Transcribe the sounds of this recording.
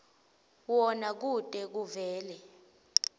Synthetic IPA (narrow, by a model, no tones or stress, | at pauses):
wɔnak̬ud̥ʼɛk̬uvɛːlɛ